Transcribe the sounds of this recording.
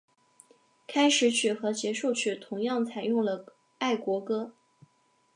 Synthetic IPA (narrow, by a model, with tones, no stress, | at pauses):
kʰa˥ɪʂɻ̩˧˥t͡ɕʰy˨˩xɤ˧˥t͡ɕjɛ˧˥ʂo˥˧ʊt͡ɕʰy˥˩t̪ʰʊ˧˥ŋjɑ˥˩ŋt͡sʰa˨˩ɪjʊ˥˩ŋlə˩ | a˥˩ɪkwɔ˧˥kɤ˥